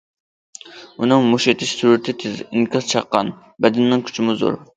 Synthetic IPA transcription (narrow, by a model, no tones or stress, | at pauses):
unɨŋmuʃet̪ʰɪʃsuɾʊɾt̪ʰɪt̪ʰɪziŋkʲʰɑzt͡ʃʰɑqːɑ̰n | bɛd̪ɪnːɪŋkʲʰy̥t͡ʃʰɪmʊzo̰ɾ